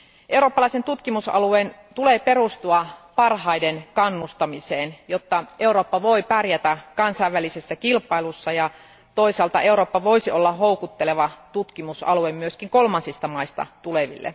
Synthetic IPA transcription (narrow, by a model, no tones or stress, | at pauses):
ʔe̞wɾoːpːɑlɑˑisent̪ut̪kimusɑ̰lueːn | t̪uleːpe̞rust̪uɑpɑrhɑidenkɑnːust̪ɑmiseːnjot̪ːɑe̞uɾoːpːɑʋoipærjæt̪ækɑnsɑiʋːælisesːækilpˑɑilusːɑjɑ | t̪oisɑlt̪ɑʔe̞uɾoːpːɑʋoisiolːɑɦoukut̪ːeleʋɑt̪ut̪kimusɑ̰luemmyøskiŋko̞lmɑnsist̪ɑmɑist̪ɑ̰t̪uleʋḭlːḛ